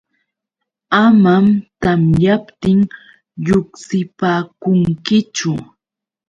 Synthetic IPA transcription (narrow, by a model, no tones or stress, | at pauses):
amamt̪amjapt̪ɪŋ | ʎʊksɪpaːkʊŋkɪt͡ʃʊ